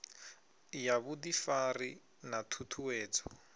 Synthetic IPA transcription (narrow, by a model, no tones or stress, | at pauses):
jaβudifari | natʰutʰuwɛːt͡sɔ